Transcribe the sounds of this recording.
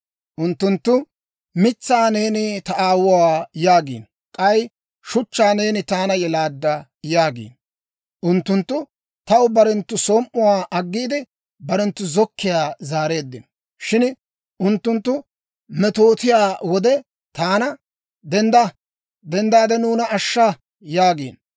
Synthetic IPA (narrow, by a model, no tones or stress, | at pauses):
ʔʊnt̪ːʊnt̪ːʊ | mɪt͡sːaːne̞ːnɪt̪ɐʔaːwʊwaːjaːɡḭːn | kʼɐj | ʃʊt͡ʃːaːne̞ːnɪt̪aːnɐjɛlaːd̪ːɐ | jaːɡḭːn | ʔʊnt̪ːʊnt̪ːʊ | t̪ɐwbɐɾɛnt̪ːʊsoːmʔʊwaːʔɐɡːiːd̪ɪ | bɐɾɛnt̪ːʊzɔkʰːɪjaːzaːɾe̞ːd̪ːɪnɔ | ʃɪn | ʔʊnt̪ːʊnt̪ːʊ | mɛt̪o̞ːt̪ɪjaːwɔd̪ɛ | t̪aːnɐ | d̪ɛnd̪ɐ | d̪ɛnd̪aːd̪ɛnuːnɐːʃːa | jaːɡḭːn